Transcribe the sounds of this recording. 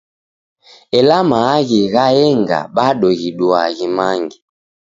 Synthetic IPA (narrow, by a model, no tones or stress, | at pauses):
ɛlamaɣiɣajɛŋɡa̰ɓaɗɔɣiɗwaɣimaŋɡi